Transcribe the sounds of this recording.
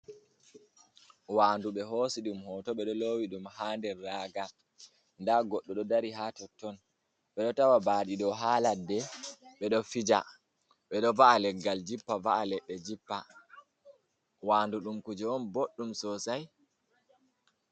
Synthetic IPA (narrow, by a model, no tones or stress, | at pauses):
waːnduɓɛɦosiɗumhɔtɔɓɛɗɔlowiɗumhaːndɛːaɡa | ndaɡɔɗːɔɗɔdaɾiɦatɔtːɔn | ɓɛɗɔtawabaːɗiɗɔɦaːladːɛɓɛɗɔfid͡ʒa̰ | ɓɛɗɔvaʔalɛɡːald͡ʒipːavaʔalɛɓɛd͡ʒipːa | waːnduɗumkud͡ʒɛɔnboɗːumsɔsaj